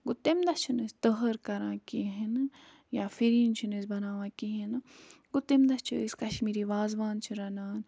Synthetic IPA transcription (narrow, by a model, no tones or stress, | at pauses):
ɡʊt̪ːemd̪ɐt͡ʃʰunest̪əɦəɾkɐɾãːkiɦen | jaːfiɾiːnt͡ʃʰinesbɐnaːʋãːkiɦinɡʊt̪ːimd̪ɐst͡ʃʰuḛskɐʃmiːɾiʋaːzʋaːnt͡ʃʰiɾɐnaːn